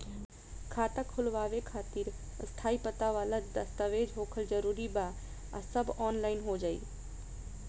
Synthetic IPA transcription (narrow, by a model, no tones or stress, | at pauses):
kʰaːt̪akʰʊlʋaːʋekʰaːt̪iɾ | st̪ʰaːipət̪aʋaːlad̪ɐst̪aʋeːd͡ʒɦoːkʰəlzɐɾuːɾiba | asəbɔːnlaːɪnɦod͡ʒaːḭː